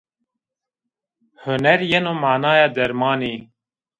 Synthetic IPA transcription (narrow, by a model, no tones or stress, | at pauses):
hʊnɛɾjenoːmaːnɑːjɑːd̪ɛɾmɑːniː